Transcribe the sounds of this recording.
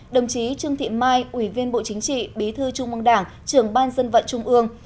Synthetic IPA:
ɗə˨˩wŋ͡mt͡ɕi˨˦t͡ɕɨ˧əŋt̪ʰḭ˧˨maː˧jʔwi˧˩vi˧ənɓo̰˧˨t͡ɕï˨˦ŋ̟t͡ɕḭ˧˨ɓi˨˦t̪ʰɨ˧t͡ɕʊ˧ŋ͡mʔɨ˧əŋɗaː˧˩ŋ | t͡ɕɨ˧˩əŋɓaː˧nzə˧nvə̰˧˨nt͡ɕʊ˧ŋ͡mʔɨ˧əŋ

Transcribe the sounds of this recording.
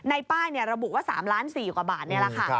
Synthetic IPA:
na˧jpaː˥˩jni˥˩ɐɾa˧bu˨˩waː˥˩sa̰ː˩˦mlaː˦˥nsiː˨˩kwaː˨˩baː˨˩t̪̚ni˥˩ɐla˨˩kʰa˥˩˧

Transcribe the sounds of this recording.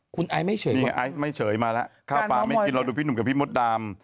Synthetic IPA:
kʰu˧nʔaː˧˥jma˥˩jt͡ɕʰɤː˩˦mi˧˩ʔaː˨˦jma˥˩jt͡ɕʰɤː˩˦jmaː˧la˦˥ʔkʰaː˥˩˧paː˧˥ma˥˩˧ki˧nɾa˧wduː˧pʰi˥˩nu˩˦ka˨˩pʰiː˥˩mo˦˥t̪̚daː˧m

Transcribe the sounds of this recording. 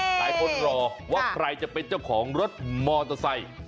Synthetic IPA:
daː˧jko˧˥n̚ɾɔː˧waː˥˩kʰɾa˧jt͡ɕa˨ʔpe˧nt͡ɕa˥˩wkʰɔː˩˦ŋɾo˦˥t̪̚mɔː˧t̪a˧sa˧j

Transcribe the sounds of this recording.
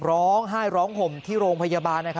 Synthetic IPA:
ɾɔː˦˥ŋɦaː˥˩jɾɔː˦˥ŋkʰo˨˩mt̪ʰiː˥˩ɾoː˧ŋpʰa˧jaː˧baː˧nːa˦˥kʰa˦

